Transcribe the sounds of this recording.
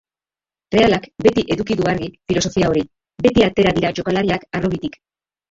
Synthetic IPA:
re̞alakbe̞t̪iʔe̞ðukiðuaɾɣifilo̞so̞fiao̞ɾi | be̞t̪iat̪e̞ɾaðiɾat͡ʃo̞kalaɾiakaroβit̪ik

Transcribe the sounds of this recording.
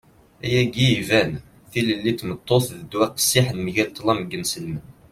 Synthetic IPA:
æjæɡivæn | θiləlːit̪ːmət̪ˤːoθðəd̪ːwæqsːiħnmiʝælt̪ˤːlɑməɡːənsəlmən

